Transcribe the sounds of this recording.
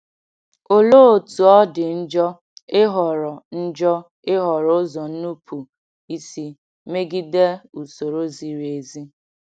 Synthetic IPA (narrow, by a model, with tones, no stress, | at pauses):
o˨lo˦o˨tu˨ɔ˦dɪ˨n̩˦d͡ʒɔ˦ | ɪ˦ɦɔ˨ɾɔ˨n̩˦d͡ʒɔ˦ | ɪ˦ɦɔ˨ɾɔ˨ʊ˦zɔ˨n̩˦nu˦pʰu˨ | i˦si˨ | me˦ɡi˦de˦u˨so˨ɾo˦zi˨ɾe˨zi˦